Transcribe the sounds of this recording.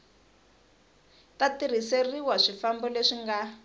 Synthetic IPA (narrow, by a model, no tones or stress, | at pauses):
tatir̤iseriwaʂifambɔleʂiŋɡa